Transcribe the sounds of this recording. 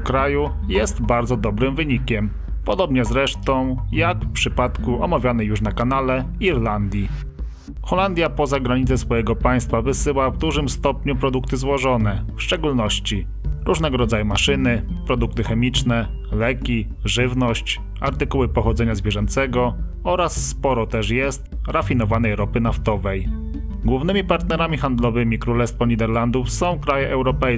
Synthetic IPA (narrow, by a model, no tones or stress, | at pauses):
kɾajujɛst̪baɾd̪zɔd̪ɔbɾɘmvɘɲikʲɛm | pɔd̪ɔbɲɛzɾɛʂt̪ɔ̃w̃jakfpʂɘpat̪kuʔɔmavʲjanɛjuʂnakanalɛ | iɾland̪ʲji | xɔland̪ʲjapɔzaɡɾaɲit̪sɛsfɔjɛɡɔpaj̃st̪favɘsɘwavd̪uʐɘmst̪ɔpɲupɾɔd̪ukt̪ɘzwɔʐɔnɛfʂt͡ʂɛɡulnɔɕt͡ɕi | ɾuʐnɛɡɔɾɔd̪zajumaʂɘnɘpɾɔd̪uk̚t̪ɘxɛmʲit͡ʂnɛ | lɛkʲi | ʐɘvnɔɕt͡ɕ | aɾt̪ɘkuwɘpɔxɔd̪zɛɲazvʲjɛʐɔnt̪sɛɡɔ | ɔɾasːpɔɾɔt̪ɛʂjɛst̪ | ɾafʲin̪ɔvanɛjɾɔpɘnaft̪ɔvɛj | ɡwuvnɘmʲipaɾt̪nɛɾamʲixand̪lɔvɘmʲikɾulɛst̪fɔɲid̪ɛɾland̪ufsɔ̃w̃kɾajɛʔɛwɾɔpɛj